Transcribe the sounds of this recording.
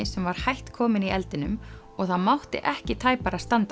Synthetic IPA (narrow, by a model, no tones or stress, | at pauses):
ɪsɛmvaɾ̥hajht̪kʰɔːmɪniɛlt̪ɪnʏm | ɔɣθaðmawht̪ɪ̰ʔɛhcɪt̪ʰaːjpaɾast̪ant̪